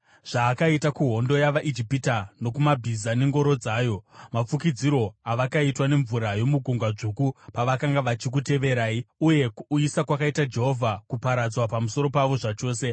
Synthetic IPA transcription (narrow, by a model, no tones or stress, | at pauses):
ʐ̥aːkaitakuɦo̞ndo̞jaʋaʔid͡ʒipitano̞kumabʱizane̞ŋɡo̞ɾo̞d͡zaːjo̞map͡fukid͡ziɾo̞aʋakaitwane̞ɱvuɾajo̞muɡʱuŋɡwaʐukupaʋakaŋɡaʋat͡ʃik̬ute̞ʋe̞ɾaːiuje̞kuisakwakaitad͡ʒe̞ɦovʱakupaɾad͡zwapamuso̞ɾo̞paʋo̞ʐat͡ʃo̞ːse̞